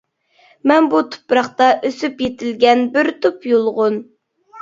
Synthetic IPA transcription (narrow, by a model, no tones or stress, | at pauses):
mɛnbut̪ʰʊ̥pɾɑχt̪ɑʔøsypjet̪ʰɪlɡʲɛnbɪɾt̪ʰupjolˠʁʊn